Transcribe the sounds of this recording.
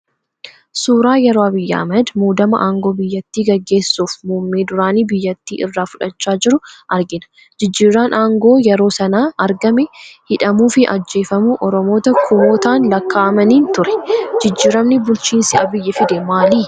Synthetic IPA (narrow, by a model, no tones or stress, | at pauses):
suːɾaːjɛɾoːɐbɪjːɐʔɐ̰mɛd̪muːd̪ɐmɐʔaːŋɡo̞ːbɪjːɐt̪ːiːɡɐɡːe̞ːsːuːfmuːmːeːd̪ʊɾaːniːbɪjːɐt̪ːḭːʔɪrːaːfʊᶑɐt͡ʃːaːd͡ʒɪɾʊʔɐɾɡɪnɐ̥ | d͡ʒɪd͡ʒːiːɾaːnʔaːŋɡo̞ːjɛɾo̞ːsɐnaːʔɐɾɡɐmɛhɪᶑɐmuːfɪʔɐ̰d͡ʒːe̞ːfɐmʊʔɔɾɔmo̞ːt̪ɐkʰʊmoːt̪aːnlɐkːaːʔɐmɐniːnt̪ʊɾɛ̥d͡ʒɪd͡ʒːiːɾɐmnɪbʊlt͡ʃiːnsɪɐbɪjːɐfɪd̪ɛmaːliː